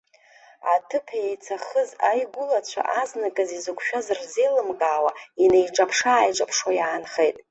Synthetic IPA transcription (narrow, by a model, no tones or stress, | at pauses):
a̰tʰɨpʰjejt͡sʰaχəzajɡʷʊlat͡ɕʷʰa̰ʔaznakʼɨzizɨkʷʰʼʃᶣazɨrzejlɨmɡaːwainejʈ͡ʂʼapʰʂaːjʈ͡ʂʼapʰʂwajaːnχejtʼ